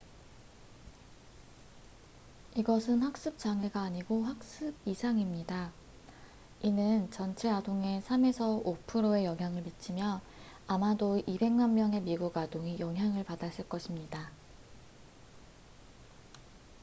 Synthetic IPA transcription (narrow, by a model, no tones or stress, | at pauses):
iɡʌsʰɯnɸak̚s͈ɯp̚t͡ɕ͈aŋe̞ɡaːɲiɡoɸak̚s͈ɯb̚isʰaŋimɲida | inɯnt͡ɕʌnt͡ɕʰe̞adoŋe̞sʰame̞sʰʌopʰɯɾoe̞jʌŋɦjaŋɯɭmit͡ɕʰimjʌ | amadoibe̞ŋmanmjʌŋe̞miɡuɡadoŋijʌŋɦjaŋɯɭpadas͈ɯɭk͈ʌɕʰimɲida